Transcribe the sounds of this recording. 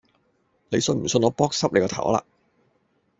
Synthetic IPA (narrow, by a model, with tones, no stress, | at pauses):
ne˨˧jsɵ˧nm̩˨˩sɵ˧nɔː˨˧pɔː˥k̚sɐ˥p̚ne˨˧jkɔː˧t̪ʰɐ̰˨˩wla̰ː˧